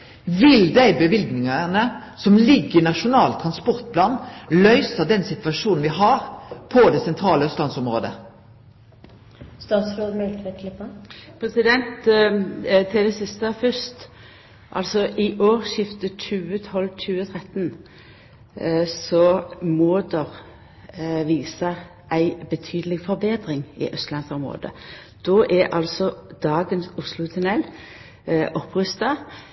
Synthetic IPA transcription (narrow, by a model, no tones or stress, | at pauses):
ʋɪld̪æɪbəʋɪlɡnɪŋɑʁnəsɔmlɪɡːəɪnɑʂʊnɑːlt̪ʰʁɑnspɔʁt̪̚pʰlɑːnlœʏsəd̪ɛnsɪt̪ʋɑʂuːnn̩ʋɪɦɑʁpʰɔd̪ɛsɛnt̪ʰɾɑːləœst̪lɑnsɔmʁo̰ːd̪ə̰ | st̪ɑːt̪sɾoːd̪nʉːt̪ʰʋɛkʰləpopʰɾɛsɪd̪ɛnt̪ | t̪ʰɪld̪ɛsɪst̪əfœst̪ | ʔɑ̰lsɔʔɪʔoːʁʃɪft̪ət͡ʃʉːət̪ʰɔlt͡ʃʉːət̪ʰʁɛt̪n | sɔmoːd̪ɔʁ | ʋiːsəʁ | ʔæɪbət̪ʰyːd̪əlɪɡfɔɾbeːd̪ɾɪŋɪ̰ʔœst̪lɑnsɔmʁo̰ːd̪ə̰ | d̪̥oːʔæʔɑ̰lsɔd̪̥ɑːɡənsʊslʊt̪ʰʉnɛl | ʔɔpːʁʏst̪ɑ